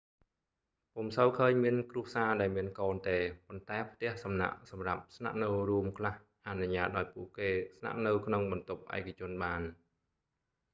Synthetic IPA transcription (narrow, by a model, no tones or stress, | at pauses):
pumsəwkʰəːɲmiənkrŭəsaːɗaɛlmiənkoːnt̪eːpont̪aɛpʰt̪ɛ̆əhsɑmna̰ʔsɑmrap̚sna̰ʔnɨwruəmkʰlah | ʔanuɲaːt̪̚ɗʔaɔjpuəʔkeːsna̰ʔnɨwkʰnoŋɓɑnt̪up̚ʔa̰ɛkʰːat͡ɕʊ̆ənɓaːn